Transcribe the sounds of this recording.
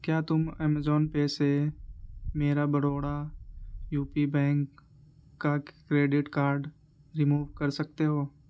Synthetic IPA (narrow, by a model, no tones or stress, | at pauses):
kjaːt̪ʊmɛːmezoːnpeːse | meːɾabəɽoːɽa | juːpibɛ̃ːŋkː | akɾeːɖɪʈkaːɾɖ | ɾɪmuːʋkɐɾsɐk̚t̪eɦoː